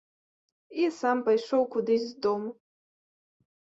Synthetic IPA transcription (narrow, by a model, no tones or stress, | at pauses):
isampajʂowkʷʰʊd̪ɨzzd̪om